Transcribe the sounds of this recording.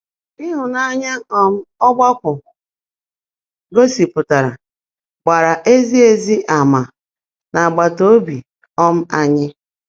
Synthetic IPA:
i˦ɦʊ˨na˦ɲa˦ɔ˦m̩˦ɔ˦ɡ͡ba˦kʷʊ˨ | ɡo˦si˨pʊ˨ta˨ɾa̰˨ | ɡ͡ba˨ɾa˨ʔe˦zi˦e˦zi˦ʔa˨ma˨ | na˨a˨ɡ͡ba˨to˦bi˨ | ɔ˦m̩˦a˦ɲɪ˦

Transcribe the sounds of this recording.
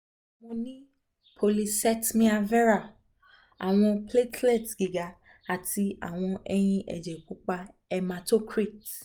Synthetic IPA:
mõ˧nĩ˦ | pʰo˧li˧sɛ˦tmĩ˦a˧vɛ˦ɾa˦˨ | a̰˨w̃ɔ̃˧ple˦tle˦˨tɡi˨ɡa˨˦ | a˨ti˧a̰˨w̃ɔ̃˧ɛ˧j̃ĩ˧ʔɛ̰˨d͡ʒɛ˨k͡pũ˨˦k͡pa˧ | ɛ˧ma˧to˦kɾi˦˨t

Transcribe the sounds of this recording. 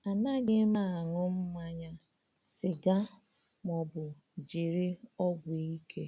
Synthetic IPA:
a˨na˦ɡɪ˦ma˦˨a˨ŋʊ˦m̩˦mʷa˦ɲa˦ | sɪ˨ɡa˦ | mɔ˨bʊ˨ | d͡ʒi˨ɾɪ˦ɔ˦ɡʷe˨i˦kʰe˦

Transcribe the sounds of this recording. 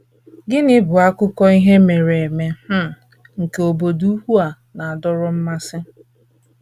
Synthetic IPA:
ɡɪ˦nɪ˦bʊ˨a˦kʊ˦kɔ˦i˦ɦe˦me˨ɾe˨e˨me˨˦˨ | ŋ̩˨ke˨o˨bo˨du˦u˦ɦu˦a˨ | na˨a˨dʊ˦ɾʊ˦m̩˦ma˦sɪ˦

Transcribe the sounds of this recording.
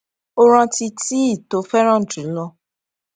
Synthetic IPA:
o˧ɾ̃ã˧ti˧ti˦i˦˨to˨˦fɛ˦ɾ̃ã˦n̩˨tɾĩ˨˦lɔ˧

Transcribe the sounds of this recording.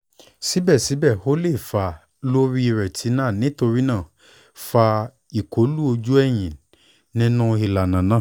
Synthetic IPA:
si˨˦bɛ˦˨si˨˦bɛ˦˨ho˦le˦˨fa˧ | lo˦ɾi˦i˧ɾɛ˨tʰi˨˦nãː˦˨nĩ˨˦to˧ɾi˦nãː˦˨ | fa˧ | i˨kʰo˨˦lu˦o˧d͡ʒu˦ɛ˦˨j̃ĩ˨ | nĩ˦nũ˦i˧la˨nã˨nãː˦˨

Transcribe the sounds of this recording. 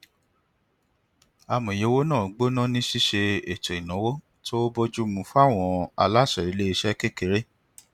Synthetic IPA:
a˧mɔ̃˨je˨˦wo˦nãː˦˨ɡ͡bo˦nã˦˨nĩ˦ʃi˦ʃe˧e˨t͡ʃɛ˨i˨nɔ̃˨˦wo˦ | to˦bo˦d͡ʒu˦mũ˧˦fu˦a˦˨w̃ɔ̃˧a˧la˦˨ʃɛ˨ɾi˨˦le˦i˧ʃɛ˦ke˦ke˨˦ɾe˦

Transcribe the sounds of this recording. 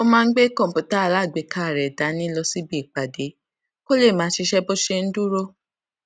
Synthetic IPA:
o˧mãː˦˧n̩˦ɡ͡be˦kɔ̃˦˨pu˨ta˦˨la˦˨ɡ͡be˨˦kʰa˦˨ɾɛ˨da˨˦nĩ˦lɔ˧si˦bi˦i˨k͡pa˨de˨˦ | ko˦le˦˨mãː˨˦ʃi˧ʃɛ˦bo˦ʃe˧n̩˦du˦ɾo˦

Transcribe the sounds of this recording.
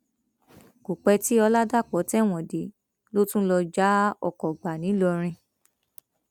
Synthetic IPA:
ko˨k͡pɛ˧ti˦ɔ˧la˦da˦˨k͡pɔ˨˦tɛ˦˨w̃ɔ̃˨de˨˦ | lo˦tũ˦lɔ˧d͡ʒa˨˦ɔ̰˦˨kɔ˨ɡ͡ba˨nĩ˨˦lɔ˧ɾ̃ĩ˧

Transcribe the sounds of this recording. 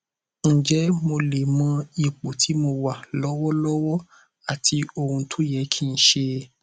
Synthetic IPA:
ñ̩˨d͡ʒɛ˨˦mo˧le˨mã˧i˨k͡po˨tʰi˨˦mo˧wa˨lɔ˦wɔ˦lɔ˦wɔ˦ | a˨ti˧o˧ɾũ˧tʰo˦jɛ˨˦kʰi˦˧n̩˨˦ʃe˧

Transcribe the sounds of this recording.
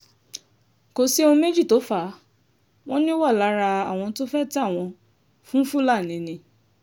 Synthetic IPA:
ko˨si˦õ˧me˦d͡ʒi˦˨to˨˦fa˨˦ | w̃ɔ̃˦nĩ˦wa˦˨la˨˦ɾa˧a˨w̃ɔ̃˧to˦fɛ˦ta˦˨w̃ɔ̃˧ | fũ˦fu˦la˦˨nĩ˨˦nĩ˨˧

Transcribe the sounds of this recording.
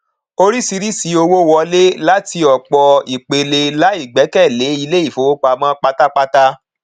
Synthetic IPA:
o˧ɾi˦si˧ɾi˦si˨˦o˧wo˦wɔ˧le˦la˦ti˧ɔ˨k͡pɔ˨i˨k͡pe˨le˨˧la˨˦i˦˨ɡ͡bɛ˨˦kɛ˦˨le˨˦i˧le˦i˦˨fo˨˦wo˦k͡pa˧mã˦k͡pa˦ta˦k͡pa˦ta˦

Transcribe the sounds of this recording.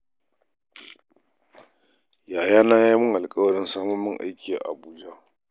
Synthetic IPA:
jaː˨jaː˦naː˦ja˦mʊ˦ŋʔa˨lkʼɐ˦wɐ˨ɽɪ˦nsaː˦mʊ˦mːʊ˦ŋʔa̰˦jkʲiː˨a̰˨ʔa̰˨buː˦d͡ʒa˦

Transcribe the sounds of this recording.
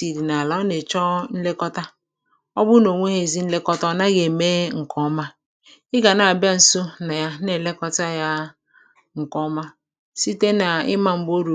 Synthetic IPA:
i˨ɾi˨na˨la˨˦ɔ˦ne˨t͡ʃɔ˦n̩˦le˦kɔ˦ta˦ | ɔ˦bʊ˦no˨ŋʷe˦ɦe˨zi˦n̩˦le˦kɔ˦tɔ˦na˦ɡe˨meː˦ŋ̩˨kʰɔ˦ma˦ | ɪ˦ɡa˨na˨a˨ba˦n̩˨so˦na˨ja˦ne˨le˦kɔ˦ta˦ja˦ | ŋ̩˨kɔ˦ma˦ | si˦te˦na˨ɪ̰˦ma˨m̩˦bo˦ɾu˨

